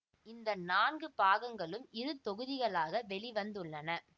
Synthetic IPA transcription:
ɪnd̪ɐnaːnɡɯpaːɣɐŋɡɐɭɯmɪɾɯt̪ɔɣɯðɪɣɐɭaːɣɐʋɛɭɪʋɐnd̪ɯɭːɐnɐ

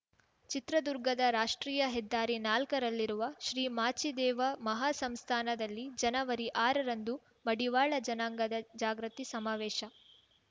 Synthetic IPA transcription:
t͡ʃit̪ɾɐd̪uɾɡɐd̪ɐɾaːʂʈɾiːjɐɦɛd̪ːaːɾinaːlkɐɾɐlːiɾuʋɐʃɾiːmaːt͡ʃid̪ɛːʋɐmɐɦaːsɐmst̪ʰaːnɐd̪ɐlːid͡ʒɐnɐʋɐɾiʔaːɾɐɾɐnd̪u | mɐɽiʋaːɭɐd͡ʒɐnaːŋɡɐd̪ɐd͡ʒaːɡɾɐt̪isɐmaːʋɛːʃɐ

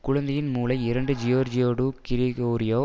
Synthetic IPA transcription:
kʊɻɐnd̪ɐjɪnmuːlɐɪɪɾɐɳɖɯd͡ʒɪjoːɾd͡ʒɪjoːɽuːkɪɾɪɣoːɾɪjoː

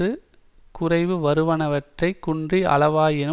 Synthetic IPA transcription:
ɯ | kʊrɐɪʋɯʋɐɾɯʋɐɳɐʋɐʈrɐɪkːʊɳdriʔɐ̰ɭɐʋaːjɪnɯ

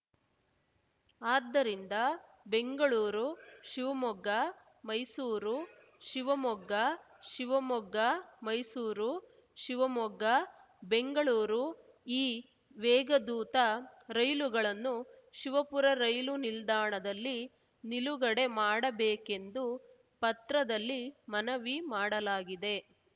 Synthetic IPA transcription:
aːd̪ːɐɾind̪ɐ | be̞ŋɡɐɭuːɾuʃiʋɐmɔɡːɐ | mɐjsuːɾu | ʃiʋɐmɔɡːɐ | ʃiʋɐmɔɡːɐmɐjsuːɾu | ʃiʋɐmɔɡɐ | be̞ŋɡɐɭuːɾu | iː | ʋɛːɡɐd̪uːt̪ɐɾɐjluɡɐɭɐnːuʃiʋɐpuɾɐɾɐjlunild̪aːɳɐd̪ɐlːi | niluɡɐɽe̞maːɽɐbeːke̞nd̪u | pɐt̪ɾɐd̪ɐlːimɐnɐʋimaːɽɐlaːɡid̪e̞

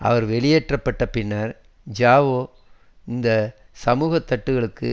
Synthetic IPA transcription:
ʔɐ̰ʋɐɾʋɛɭɪjeːʈrɐpːɐʈːɐpɪnːɐɾ | d͡ʒaːʋoː | ɪnd̪ɐ | sɐmuːɣɐt̪ːɐʈːɯɣɐɭɯkːɯ̰

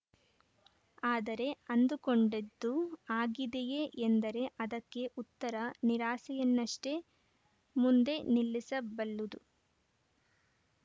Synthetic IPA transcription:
aːd̪ɐɾe̞ɐnd̪ukoɳɖed̪ːuaːɡid̪ejeʔend̪ɐɾe̞ʔɐd̪ɐkːe̞ʔut̪ːɐɾɐniɾaːsɛjɐnːɐʂʈe̞ | mund̪e̞nilːisɐbɐlːud̪u

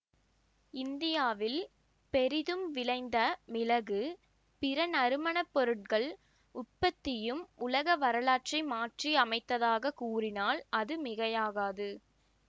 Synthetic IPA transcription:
ɪnd̪ɪjaːʋɪl | pɛɾɪðɯmʋɪlɐɪnd̪ɐmɪlɐɣɯ | pɪɾɐnɐɾɯmɐɳɐpːɔɾɯʈ̚kɐɭ | ʊʈ̚pɐt̪ːɪjɯmʊlɐɣɐʋɐɾɐlaːʈrɐɪmaːʈriɐmɐɪt̪ːɐðaːɣɐkuːrɪnaːlɐðɯmɪɣɐjaːɣaːðɯ

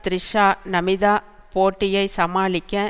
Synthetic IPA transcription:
t̪ɾɪʂaːnɐmɪðaːpoːʈːɪjɐɪsɐmaːlɪkʲːɐ̃

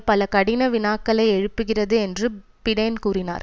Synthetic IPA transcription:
pɐlɐkɐɽɪnɐʋɪnaːkːɐɭɐɪɛɻɯpːɯɣɪrɐðɯɛndrɯpɪɽɐnkuːrɪna̰ːɾ

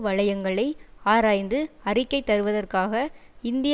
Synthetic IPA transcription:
ʋɐɻɐjɐŋɡɐɭɐɪaːɾaːjnd̪ɯɐrɪkːɐɪt̪ːɐɾɯʋɐðɐrkaːɣɐɪnd̪ɪj

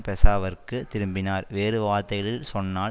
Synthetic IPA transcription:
pɛsaːʋɐrkɯtt̪ɪɾɯmbɪnaːɾʋeːɾɯʋaːt̪ːɐjɐlɪlsɔnːaː

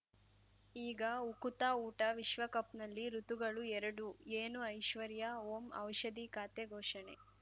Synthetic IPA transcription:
iːɡɐukut̪aːuːʈɐʋiʃʋɐkɐpnɐlːiɾut̪uɡɐɭuɛɾɐɽueːnuɐjʃʋɐɾjɐoːmɐ̰wʃɐd̪ikaːt̪eɡʱɔːʃɐɳḛ

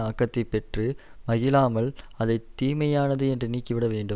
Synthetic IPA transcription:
aːkːɐt̪ːɐɪpːɛʈrɯmɐɣɪlaːmɐl | ɐðɐɪt̪ːiːmɐjaːnɐðɯɛndrɯniːkːɪʋɪɽɐʋeːɳɖɯ

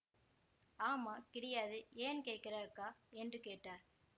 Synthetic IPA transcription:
aːmaːkɪɽɐjaːðɯeːnkeːʈkːɪɾɐɯkːaːɛndrɯkeːʈːaː

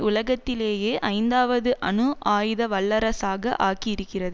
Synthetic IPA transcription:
ʊlɐɣɐt̪ːɪleːjeːʔɐɪnd̪aːʋɐðɯʔɐnɯʔaːjðɐʋɐɭːɐɾɐsaːɣɐʔaːkiɪɾɯkːɪrɐðɯ

